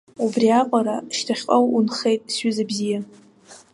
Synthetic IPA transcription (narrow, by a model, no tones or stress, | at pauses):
ubriaqʷʼaɾaʃtʰaχʲqʼawunχe̞jtʼsɥʏzabzija